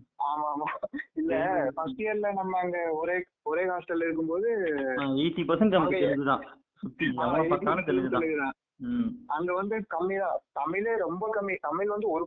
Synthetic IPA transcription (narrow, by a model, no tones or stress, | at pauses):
aːmaːmaːɪlːɐpɐsʈɪjɐɾlɐnɐmːɐɐŋɡɐɔɾeː | ɔɾeːkaːsʈɐlɪɾɯk̬ːɯmpoːðɯaːiːt̪ipɐsɐnʈnɐmɐkːɯt̪ɛɭɪðɯt̪ãː | sʊt̪ːiaːmːpɐt̪ːaːnɐt̪ɛlɪðɯt̪ãːðɯt̪ãː | ɐŋɡɐʋɐnd̪ɯkɐmːiðãːt̪ɐmɪlɾɔmbɐkɐmːit̪ɐmːɪlʋɐnd̪ɯɔɾɯ